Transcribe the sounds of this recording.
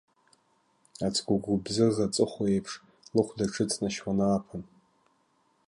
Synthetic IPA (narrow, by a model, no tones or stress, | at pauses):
at͡sʰʼɡʷʊɡʷʊbzɨzat͡sʼɨχoejpʰʂ | lɨχʷʰdaʈ͡ʂʰɨt͡sʰʼnaʃwanaapʰan